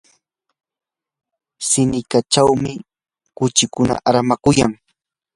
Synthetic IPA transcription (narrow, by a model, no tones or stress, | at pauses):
sɪnɪkat͡ʃawmɪ | kʊt͡ʃɪkʊna̰ʔaɾamakʊjaŋ